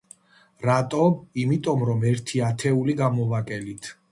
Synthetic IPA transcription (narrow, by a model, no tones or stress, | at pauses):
ɾat̪ʼɔimit̪ʼɔmɾɔmɛɾt̪ʰiat̪ʰɛuliɡamɔvakʼɛlit̪ʰ